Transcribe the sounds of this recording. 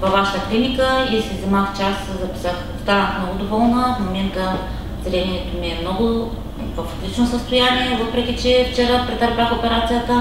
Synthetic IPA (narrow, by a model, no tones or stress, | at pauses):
vɐvːaʃə̥t̪əklinikəiisɛvzɛmaxt͡ʃaszɐpi̥səx | st̪anəxmnɔɡʊd̪ovɔlˠnəfmomɛnt̪ə | zɾɛniɛt̪omiɛmnɔɡʊ | vəfot̪lit͡ʃnosəst̪ojaniɛvɤpɾɛk̟ʲit͡ʃɛft͡ʃɛɾəpɾɛt̪əɾbʲaxopɛɾat̪sijət̪ə